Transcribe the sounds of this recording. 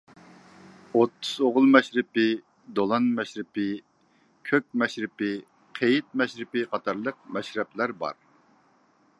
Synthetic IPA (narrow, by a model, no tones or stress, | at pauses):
ot̪ʰːuz̥oʁʊlˠmɛʃɾɪpɪ | d̪olˠɑnmɛʃɾɪpɪ | kʲʰøk̚ʲmɛʃɾɪpɪ | qʰejɪt̪̚mɛʃɾɪpɪqʰɑt̪ʰɑɾlˠəq̚mɛʃɾɛplæɾbɑ̰ɾ